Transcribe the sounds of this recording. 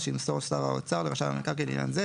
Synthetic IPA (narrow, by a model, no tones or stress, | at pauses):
ʃimsoʁstaʁao̰t͡saʁleʁaʃava̰mḛkaʁkelḭnja̰nze